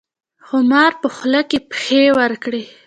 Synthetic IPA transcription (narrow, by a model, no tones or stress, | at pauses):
xʊmɑɾpəxləkepxewəɾkɽi